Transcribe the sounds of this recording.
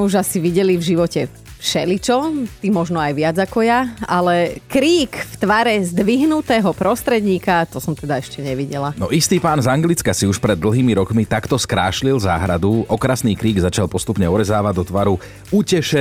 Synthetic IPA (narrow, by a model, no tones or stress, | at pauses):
ɛuʒasiʋiɟɛlivʒiʋɔcɛ | fʃɛlit͡ʃɔt̪imɔʒnɔajʋɪad͡zakɔjaalɛkɾiːkft̪ʋaɾɛzd̪ʋiɦnut̪ɛːɦɔpɾɔst̪ɾɛd̪ɲiːkat̪ɔsɔmt̪ɛd̪aɛʃcɛɲɛʋiɟɛlanɔʔist̪iːpaːnzaŋɡlit͡skasiuʃpɾɛd̪ːl̩ɦiːmiɾɔkmit̪akt̪ɔskɾaːʃlilza̰ːɦɾad̪uɔkɾasniːkɾiːɡzat͡ʃalˠpɔst̪upɲɛɔɾɛzaːʋaɟd̪ɔt̪ʋaɾu | ucɛʃɛ